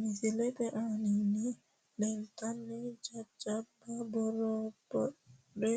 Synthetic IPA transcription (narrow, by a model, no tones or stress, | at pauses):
misilɛtɛʔanini | dɛntanːɛd͡ʒad͡ʒababɔɾɔbɔ | ɗɛ